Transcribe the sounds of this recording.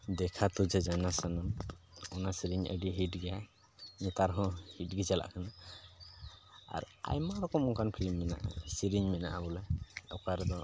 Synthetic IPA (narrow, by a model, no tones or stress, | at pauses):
d̪ɛkʰat̪ud͡ʒɛd͡ʒajnasanamɔnasiɾiɲə̰ɖiɦiʈɡɛja | nɛt̪aɾɦɔ̃hiʈɡɛt͡ʃala̰ʔkʰana | a̰ɾa̰jmaɾɔkɔmɔkanpʰilimːɛna̰ʔa̰siɾiɲmɛna̰ʔabɔlaɔkaɾɛd̪ɔ